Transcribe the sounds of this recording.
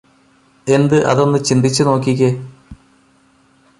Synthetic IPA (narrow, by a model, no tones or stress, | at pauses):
e̞nd̪ɨʔɐ̰ðo̞nːɨt͡ɕind̪it͡ɕːɨno̞ːkːiɣɐ